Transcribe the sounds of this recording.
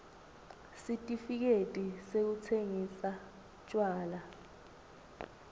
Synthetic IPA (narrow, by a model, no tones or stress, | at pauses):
sitʼifik̬etʼisek̬ut͡sʰeŋisa | t͡ʃʼwaːla